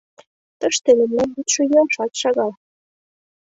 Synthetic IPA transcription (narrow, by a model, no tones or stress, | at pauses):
t̪əʃt̪elĕmlænbyt̪ʃø̆jomʃɑt̪ʃɑɣɑl